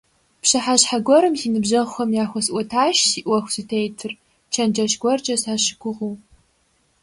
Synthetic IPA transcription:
pɕɐħaɕħaɡʷɔɾɨmzinɨbʑɐʁxʷɐmjaːxʷɔsʔʷɔtʰaːʃsiʔwɐxʷsɨtʰejtʰɨr | t͡ʃʰɐnd͡ʒɐʃɡʷɔrt͡ʃʼɐsaːɕɪ̥kʷʰʊʁu

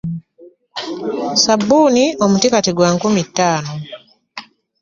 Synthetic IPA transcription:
sabuniɔmutikatiɡwaŋkumitanɔ

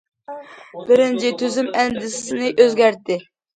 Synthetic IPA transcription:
b̥ɪɾɪnt͡ʃʰɪt̪ʰøzymɛnd̪ɪssɪnɪʔøzɡʲæɾt̪ɪ

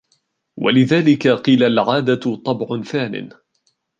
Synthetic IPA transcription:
wa̰lɪðaːlɪkaqiːlalʕaːd̪at̪ˤːɑbʕʊnθaːnɪ̰n

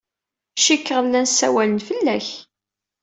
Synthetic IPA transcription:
ʃikːʁəðlænsæwælənfəlːæç

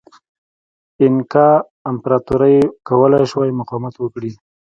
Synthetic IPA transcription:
ɪnkɑ | ɪmpɾɑt̪uɾəjkawəlajʃwajmʊqɑmat̪wəkɽi

